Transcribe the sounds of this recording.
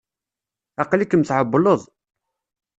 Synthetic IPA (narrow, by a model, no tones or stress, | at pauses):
ɑqlikːəmθʕəbːləðˤ